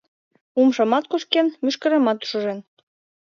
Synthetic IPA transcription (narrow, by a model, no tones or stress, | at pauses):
umʃɤ̆mɑt̪̚kuʃkenmyʃkə̆ɾĕmɑt̪u̥ʃɤ̆ʒen